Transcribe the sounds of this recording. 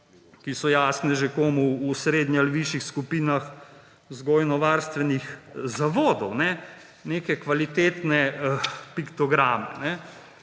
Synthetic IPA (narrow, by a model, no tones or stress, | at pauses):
kisɔjaːsnɛʒekoːmuːsɾeːd̪nʲialiʋiːʃixskupiːnax | zɡoːjnɔʋaːɾst̪ʋɛnixzaʋoːd̪ɔwnɛ | nekɛkʋalit̪eːt̪nɛpikt̪ɔɡɾaːmɛnɛ